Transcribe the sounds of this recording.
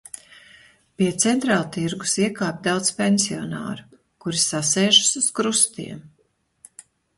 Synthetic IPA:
piɛt̪sɛnt̪ɾaːlˠt̪iɾɡusiɛkaːpʲd̪awt̪spʲɛnsiɔna̰ːɾʊ | kuɾisasɛːʒu̥suz̥kɾust̪ḭɛm

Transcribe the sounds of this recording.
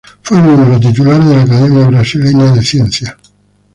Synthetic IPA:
funumeɾot̪̬it̪̬ulaːɾed̪elːakad̪ɛmjabɾasilɛɲad̪esjɛnt̪sja

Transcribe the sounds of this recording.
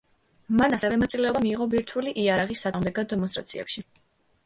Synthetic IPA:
manasɛvɛmat̪sʼilɛɔbamiːʁɔbiɾt̪ʰuliʔiaɾaʁisːad̪ʁmd̪ɛɡad̪̚ːɛmɔnst̪ʼɾa̰t̪sʰḭɛ̰pʃi

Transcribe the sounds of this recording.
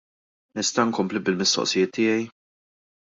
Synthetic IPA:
nɪst̪ɐŋkɔmplibɪlmɪst̪ɔ̰ʔsɪjɪːt̪ʰːɪːjɛj

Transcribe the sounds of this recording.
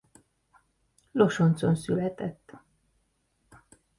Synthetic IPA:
lo̞ʃont̪so̞nsylɛt̪ɛt̪ː

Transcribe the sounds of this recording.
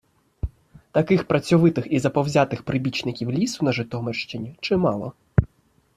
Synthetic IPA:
t̪ɐkɪxpɾɐt͡sʲɔʋɪt̪ɪxizɐpɔwzʲat̪ɪxpɾɪbʲit͡ʃnɪkʲiwlʲisʊnɐʒɪt̪ɔmerʃt͡ʃɪnʲit͡ʃɪmɑlˠɔ̰

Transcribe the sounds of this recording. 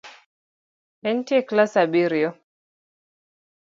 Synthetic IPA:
ɛn̩tiɛklasabiɾiɔ

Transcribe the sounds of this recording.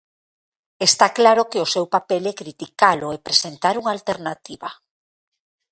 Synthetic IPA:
est̪aklaɾokeosewpapelɛkɾit̪ikaloepɾesent̪aɾuŋaːlt̪eɾnat̪iβa

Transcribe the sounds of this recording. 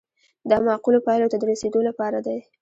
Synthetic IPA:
d̪əmɑqulopɑjlot̪ad̪əɾased̪olapɑɾad̪aj

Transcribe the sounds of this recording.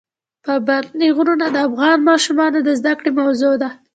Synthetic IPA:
pəbaɾniɣuɾunad̪əafɣɑnmɑʃumɑnod̪əzd̪akɽemawzod̪a

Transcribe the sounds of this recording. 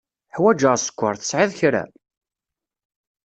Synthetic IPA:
ħwæd͡ʒəʁsə̥kʷːəɾˤθə̥sʕɪðçɾæ̰

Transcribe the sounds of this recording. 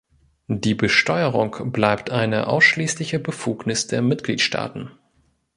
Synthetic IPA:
diːbəʃtɔʏəʁʊŋkb̥laɪptʰʔaɪnə̰ʔa̰ʊsʃliːslɪçəbəfuːknɪsd̥eːɐmɪtɡ̥lḭːtʃtʰa̰ːtn̩

